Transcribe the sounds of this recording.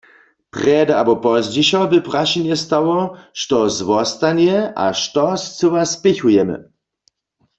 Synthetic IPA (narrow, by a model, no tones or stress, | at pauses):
pʁɛdabɔpɔzd͡ʑiʃɔbɪpraʃinjɛst̪awɔʃtɔzwɔst̪anjɛʔa̰ʃt̪ɔst͡səwaspɪçujɛmə̰